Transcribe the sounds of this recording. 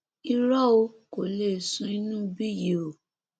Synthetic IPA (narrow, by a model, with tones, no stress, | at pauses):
i˧ɾɔ˦o˧ko˨le˦˨sũ˦i˦˧nũ˦bi˦˨je˨o˨